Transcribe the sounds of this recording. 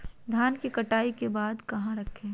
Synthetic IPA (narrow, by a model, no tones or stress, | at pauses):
d̪ʱjaːnkikɐʈaːikebaːd̪kɐɦãɾɐkʰːẽː